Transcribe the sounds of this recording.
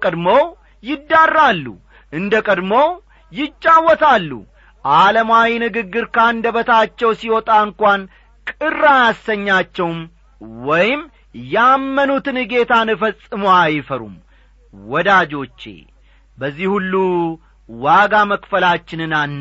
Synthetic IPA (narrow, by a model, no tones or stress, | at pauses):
kʼəd̪mow | jɪd̪ːarːalːṵ | ʔɨnd̪əkʼəd̪məw | jɪt͡ʃʼːawːɔt̪ʰalːṵ | ʔaləmawinɨɡɨɡːɨɾkand̪əbət̪ʰat͡ʃːɛwsiwɔt̪ʼaɨŋkʷan | kʼɨrajasəɲːat͡ʃːɛwm | wɔjɪm | jaamːənut̪ɨnɨɡe̞t̪ʰanɨfəsʼɨmoajɪfəɾṵm | wɔd̪ad͡ʒo̞t͡ʃːe̞̰ | bəzːihulːu | waɡaməkfəlat͡ʃːɪnɨnanː